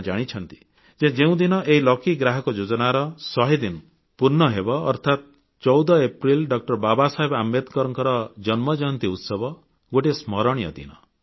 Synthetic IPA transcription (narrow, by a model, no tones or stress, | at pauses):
d͡ʒaɽ̃it͡ʃʰɔnt̪i̥ | d͡ʒed͡ʒeũd̪inɔʔeɦilɔkiɡɾaɦɔkɔd͡ʒod͡ʒɔnaɾɔsɔɦid̪in | puɾnɔɦebɔ̰ːɾt̪ʰat̪̚ | t͡ʃɔwd̪ɔepɾilɖɔk̚ʈɔɾbabasaɦebamed̪kɔɾɔŋkɔɾɔd͡ʒɔnmɔd͡ʒɔnt̪iut̪sɔbɔ | ɡoʈismɔɾɔ̃ijɔ̰d̪ḭnɔ